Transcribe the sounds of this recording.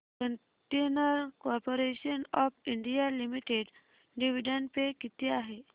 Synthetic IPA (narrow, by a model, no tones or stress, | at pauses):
kəɳ | ʈenəɾkɔɾpoɾeɕənɔfiɳɖijalimiʈeɖ | ɖiʋiɖənpekit̪iaɦe